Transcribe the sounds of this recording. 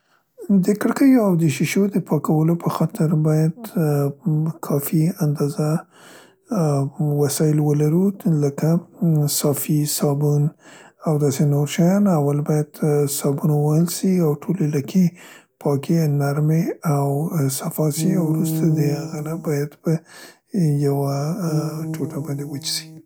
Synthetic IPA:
d̪əkəɽkəjawd̪əʃiʃod̪əpʰɑkawəlopʰəxɑt̪ʰɪɾbɑjad̪ | kʰɑfiand̪ɑza | wasɑɪlwəlaɾuləkasɑfisɑbunawd̪ɑsenoɾʃajɑnawalbɑjad̪̥sɑbunawəhəlsiawʈʰolelakʰe | pʰɑkenaɾmeawsafɑsiawɾust̪ad̪əhaɣanabɑjad̪pə | jawa | ʈoʈabɑnd̪ewət͡ʃsi̥

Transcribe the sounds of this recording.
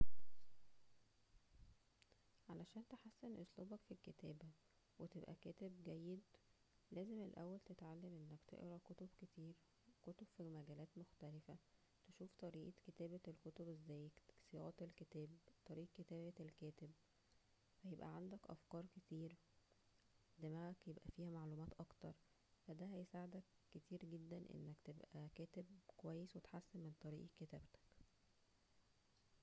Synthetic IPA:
ʕalæʃæːnt̪eħasːenʔosˤluːbɑkfilket̪æːbæ | wet̪ebʔæ̰kæːt̪eb̚ɡæjːed̪ | læːzemelʔæ̰wːælt̪et̪ʕalːæmʔenːækt̪ḛʔɾɑkot̪obket̪iːɾ | kot̪ob̥fimæɡæːlæːt̪moxt̪ælefæ | t̪eʃuːft̪ˤɑɾiːʔʔket̪æːbælkot̪obezːæːjsejɑ̰ʔt̪elkeæːbt̪ˤɑɾiːʔkːet̪æːbæelkæːt̪eb | fæjebʔæ̰ʕand̪ækʔæ̰fkɑːɾˤket̪iːɾ | d̪æmækjebʔæfiːhæmaʕluːmæːt̪ʔɑkt̪ɑɾˤ | fæd̪æhæjesaːʕed̪ækːet̪iːɾɡed̪ːænʔḛnːækt̪ebʔækæːt̪eb̚kowæjːeswet̪ħasːenment̪ˤɑɾiːʔkːet̪æ̰ːbt̪æ̥k

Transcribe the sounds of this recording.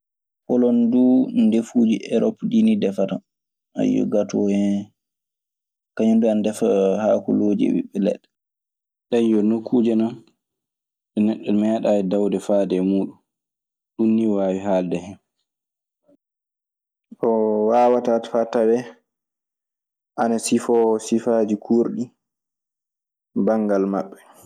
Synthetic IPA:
pɔlɔndudefuːd͡ʒiʔɛɾɔpdinidɛfata | a̰jɔ̰ɡatɔhɛ | kaɲunduandɛfahaːkuloːd͡ʒɛ̰ɓḭɓɛlɛ̰ɗːɛ | ɗaɲjɔnokʰːuːd͡ʒɛnan | ɗɛnɛɗːɔmɛːɗaːɛdawdɛfaːdɛmuːɗun | ɗunːiwaːwiɦaːldɛhɛn | ɗɔwaːwatatḁfatːawɛ | ʔanasifɔsifad͡ʒikʰuɾɗi | baŋɡalmaɓːɛ

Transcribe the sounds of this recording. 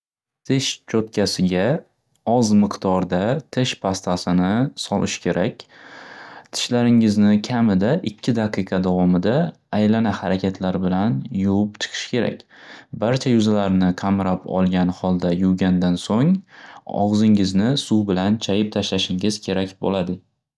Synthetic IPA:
t̪ʰɪʃt͡ʃʰot̪̚kʲʰasɪɡʲa | ɒzmɨqt̪ɒɾd̪at̪ʰɪʃpʰast̪ʰasɪnɪsɒlɪʃkʲʰe̞ɾʔakʲ | t̪ʰɪ̥ʃlaɾɪŋɪznɪkʲʰamɪd̪aʔɪkʲʰːɪd̪aqɨqʰɑd̪avɒmɪd̪aː | jlanahaɾakʲʰat̪ʰlaɾbɪlanjowʊp̚t͡ʃʰɨ̥qʰɨ̥ʃkʲʰe̞ɾa̰kʲbaɾt͡ʃʰajʊzalaɾnɪqʰamɾapɒ̰lˠɡʲanhɒlˠd̪ajuwɡʲand̪ansoŋ | ɒ̰ʁzɪŋɪznɪsuwbɪlant͡ʃʰajɪp̚t̪ʰaʃlaʃɪŋɪz̥kʲʰe̞ɾakʲbo̰lad̪ɪ

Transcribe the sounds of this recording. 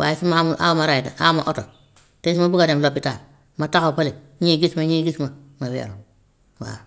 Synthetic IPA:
wa̰jisimamuʔa̰wmaɾajita̰ʔamaʔoto | tes̬imabukademlopːitaː | matakapale | ɲiɡismaɲiːɡisma | mawḛɾo | wa̰ɾ

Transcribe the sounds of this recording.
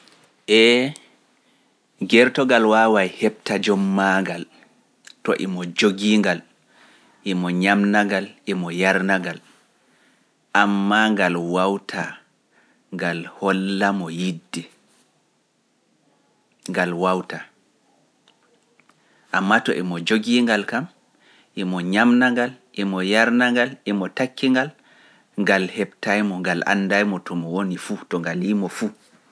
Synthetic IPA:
ʔɛ | ɡɛɾtɔɡalwawajhɛp̚tad͡ʒɔmːaŋɡal | tɔ̰ʔɛmɔd͡ʒoɡiːŋɡal | ʔɛmɔɲamnaŋɡalʔɛmɔjaɾnaɡal | ʔamːaŋɡalwawtʰa | ŋɡalhɔlːamɔjidːɛ | ŋɡalwawta | ʔamːatɔʔɛmɔd͡ʒoɡiŋɡalkam | ʔɛmɔɲamnaŋɡalʔɛmɔjaɾnaŋɡalɛmɔtakʰːiŋɡal | ŋɡalhɛbtajmɔŋɡalʔa̰nːdajmɔtɔmɔwonifutɔŋɡalimɔfu

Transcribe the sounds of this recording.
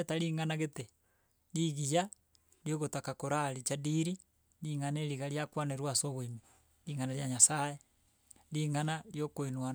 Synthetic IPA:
etaɾiŋanaɣete | ɾiɣija | ɾjoɣotakakoɾaɾit͡ʃadiɾi | liŋaneɾiɣaɾjakwaneɾwasoβoimi | ɾiːŋanaɾjaɲasae | liŋanaɾjokoinwa

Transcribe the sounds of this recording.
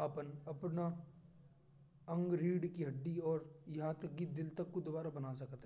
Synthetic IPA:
apənɐpna | ɐ̃ŋɡɾiːɖkiɦɐɖːiɔːɾjɐɦãt̪ɐk̚ɡid̪ɪlt̪ɐkːod̪ʋaːɾabɐnasɐkt̪ɦɛː

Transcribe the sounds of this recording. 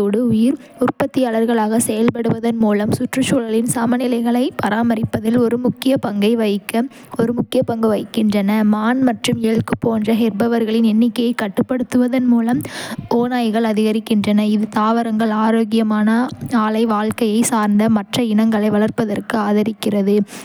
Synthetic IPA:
oːɽɯʊjɪɾ | ʊrpɐt̪ːɪjaːɭɐɾɣɐɭaːɣɐsɛjɐlpɐɽɯʋɐðɐnmuːlɐmsʊʈrɯt͡ʃuːlɐɭɪnsɐmɐnɪlɐɪɣɐɭɐɪpɐɾaːmɐɾɪpːɐðɪlɔɾɯmʊkːɪjɐpɐŋɡɐɪʋɐɪkːɐ | ɔɾɯmʊkːɪjɐpɐŋɡɐʋɐɪkːɪndrɐnɐmaːnmɐʈrɯmiːɐɭkɯpːoːndrɐɦɛɾbɐʋɐɾɣɐɭɪnɛnːɪkːɐjɐɪkːɐʈːɯpːɐɽɯt̪ːɯʋɐðɐnmuːlɐmoːnaːjɣɐɭɐðɪɣɐɾɪkːɪndrɐnɐɪðɯt̪aːʋɐɾɐŋɡɐɭaːɾoːɣɪjɐmaːnɐaːlɐɪʋaːlkɐjɐɪsaːɾnd̪ɐmɐʈrɐɪnɐŋɡɐɭɐɪʋɐɭɐɾpːɐðɐrkɯaːðɐɾɪkːɪrɐðɯ

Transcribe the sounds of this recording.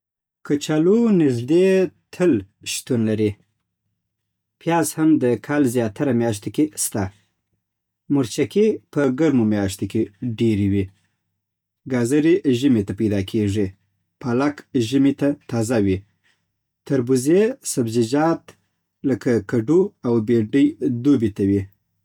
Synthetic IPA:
kat͡ʃalunɪʒd̪et̪ʰəl | ʃt̪unlaɾi | pjɑzhamd̪əkʰalzjɑt̪ʰaɾamjɑʃ̬t̪okest̪a | mʊɾt͡ʃakepəɡaɾmomjɑʃt̪okeɖeɾiwi | ɡɑzaɾeʒimet̪apajd̪ɑkʰeʐi | palakʒɪmet̪at̪ɑzawi | t̪aɾbuzesabzɪd͡ʒɑt̪ | ləkakaɖuawbeɖəjd̪ubit̪awi

